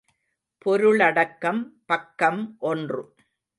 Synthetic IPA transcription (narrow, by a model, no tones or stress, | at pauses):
pɔɾɯɭɐɽɐkːɐmpɐkːɐmʔɔndrɯ̰